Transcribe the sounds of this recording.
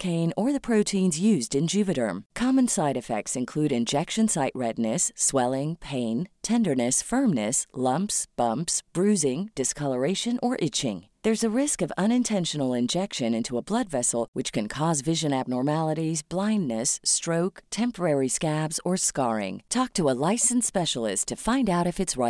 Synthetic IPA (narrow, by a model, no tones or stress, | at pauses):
kʰẽɪ̃nə˞ðɨpʰɹ̥oʊtʰĩnzjʉzdɨ̃nd͡ʒʉvɨɾə̰̃˞mkʰɑmə̃nsaɪɾɨfɛ̰k̚tsɨ̃nkʰl̥ʉɾɨ̃nd͡ʒɛkʃɨ̃nsaɪʔ̚ɹɛdⁿnɨswɛlˠɪ̃ŋpʰẽɪ̃ntʰɛ̃ndə˞nɨsfɜ̃˞mnɨslʌ̃mpsb̥ʌ̃mpsb̥ɹʉzɪ̃ŋd̥ɨskʰʌlˠə˞eɪʃɨ̃nʔə˞ʔɪt͡ʃɪ̰̃ŋ | ðə˞zɨɹɪskʌvʌ̃ñɨ̃ntʰɛ̃nʃɨnl̩ˠɪ̃nd͡ʒɛkʃɨ̃nɪ̃ntʰuəblʌdvɛsl̩ˠwɨt͡ʃkʰɨ̃nkʰɔzvɪʒɨ̃næb̚nɔɹmælˠəɾizblãɪ̃nːɨstɹ̥oʊktʰɛ̃mpə˞ɛɹiskæbzə˞skɑɹɪ̰̃ŋtʰɔk̚tʰəəlaɪsn̩spɛʃl̩ˠɪ̰stʰɨfãɪ̃ndaʊɾɨfɨtsɹa